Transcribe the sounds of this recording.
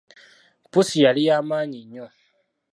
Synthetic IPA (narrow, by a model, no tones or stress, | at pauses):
pusijalijaːmaːɲiɲːo